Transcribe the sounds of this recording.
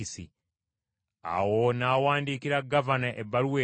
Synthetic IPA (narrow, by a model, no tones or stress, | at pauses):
isḭ | a̰wonaːwaːndiːkiɾaɡavanaʔebːaɾuwe